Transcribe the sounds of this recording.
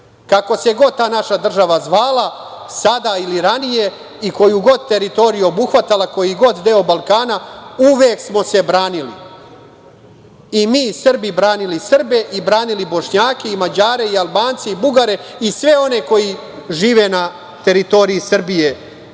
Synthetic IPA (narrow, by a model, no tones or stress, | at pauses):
kako̞seɡo̞d̪̚t̪aːnaʃad̪r̩ʒaʋazʋaːla | sad̪ailiɾanije̞ | iko̞juɡo̞d̪̚t̪e̞ɾit̪o̞ɾijuobuxʋat̪alako̞jiɡo̞d̪d̪e̞obalˠkaːnauʋeːksmo̞se̞bɾaːnilḭ | imiːsr̩bibɾaːnilisr̩be̞ʔibɾaːnilibo̞ʃɲaːkeimad͡ʑaːɾe̞ialˠbaːnt̪seibuɡaɾe̞isʋe̞o̞ne̞ko̞ji | ʒiːʋe̞na | t̪e̞ɾit̪o̞ɾiisr̩bije̞